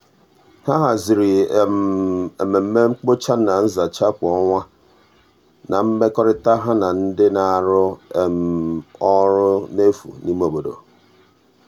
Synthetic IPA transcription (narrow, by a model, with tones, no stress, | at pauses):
ha˦ɦa˨zɪ˨ɾɪ˨me˨me˨m̩˦me˦ŋ͡m̩˦k͡po˦t͡ʃa˦na˨n̩˦za˨t͡ʃa˦kʷɔ˦ŋʷa˦ | na˨m̩˦me˦kɔ˦ɾɪ˦ta˦ɦa˦na˨n̩˦dɪ˦na˨ɾʊ˦e˨m˨ɔ˦ɾʊ˦ne˦fṵ˨ni˦m˦o˨bo˨do̰˨